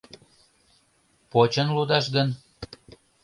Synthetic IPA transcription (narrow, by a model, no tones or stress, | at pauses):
pot͡ɕənlud̪ɑʃɡən